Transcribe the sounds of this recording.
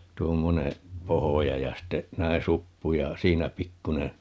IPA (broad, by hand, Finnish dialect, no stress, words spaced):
tuomːoneː pohojɑ jɑ ste næin̞ supːu jɑ siːnæ pikːune